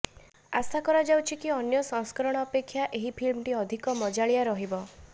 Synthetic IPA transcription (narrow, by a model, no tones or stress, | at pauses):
asakɔɾad͡ʒawt͡ʃʰikiɔnjɔsɔ̃ŋskɔɾɔɽ̃ɔːpekʰːjaʔeɦipʰilmʈiɔd̪ʱikɔmɔd͡ʒaɭijaɾɔɦibɔ